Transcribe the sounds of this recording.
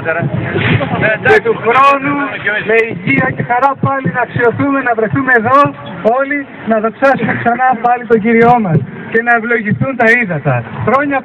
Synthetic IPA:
ɐt̪uxɾo̞nuleiʝiɐce̞xɐɾɐpɐlinɐksio̞θume̞nɐvɾeθumeeðo̞ | o̞li | nɐðo̞ksɐsumeksɐnɐpɐlit̪o̞ɟiɾio̞mɐs | ce̞nɐe̞vlo̞ʝiθunt̪ɐiðɐt̪ɐxɾo̞ɲɐ

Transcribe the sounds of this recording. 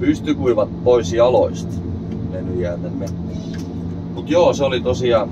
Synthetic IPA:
pyst̪ykuiʋɑt̪poisjɑloist̪ | menyjæːt̪ænmet̪ːe | mut̪joːseolit̪osiɑ

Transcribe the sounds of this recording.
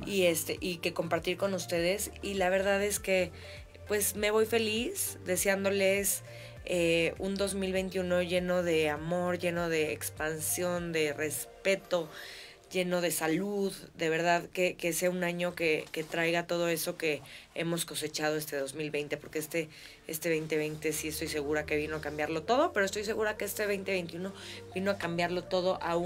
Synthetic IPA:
ie̞st̪eʔike̞ko̞mpaɾt̪iɾko̞nust̪e̞ð̞e̞silaβ̞e̞ɾðaðe̞ske̞ | pwe̞sme̞βo̞jfe̞lisd̪e̞sjand̪o̞le̞s | eund̪o̞zmilβ̞e̞jnt̪jiuno̞ʝe̞no̞ð̞e̞amo̞ɾʝe̞no̞ð̞e̞̰ːkspansjo̞nd̪e̞re̞spe̞t̪o̞ | ʝe̞no̞ð̞e̞saluðd̪e̞β̞e̞ɾðaðke̞keseaunãɲo̞ke̞ke̞t̪ɾajɣat̪o̞ð̞o̞e̞so̞ke̞ḛmo̞sko̞se̞t͡ʃað̞o̞est̪e̞ðo̞zmilβe̞jnt̪e̞po̞ɾke̞est̪e̞ | est̪eβe̞jnt̪e̞βe̞jnt̪e̞sie̞st̪o̞jse̞ɣuɾake̞β̞ino̞akambjaɾlo̞t̪o̞ð̞o̞peɾost̪o̞js̬e̞ɣuɾakeest̪eβejnt̪e̞βe̞jnt̪juno̞bino̞akambjaɾlo̞t̪o̞ð̞o̞ʔau

